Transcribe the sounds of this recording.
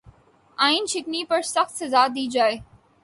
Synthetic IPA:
aːinʃɪknipɐɾsɐxt̪sɐzaːd̪iːd͡ʒaːe

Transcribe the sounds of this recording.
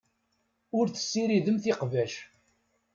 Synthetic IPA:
ʊɾθə̥sːiɾiðəmθɪqvæʃ

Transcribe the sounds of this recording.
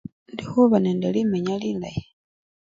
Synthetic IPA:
ndixuβaneːndelimeɲalila̰ji

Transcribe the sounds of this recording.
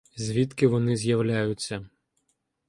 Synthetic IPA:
zʲʋʲit̪kɪʋɔnɪzʲjɐwlʲajʊt͡sʲːɐ

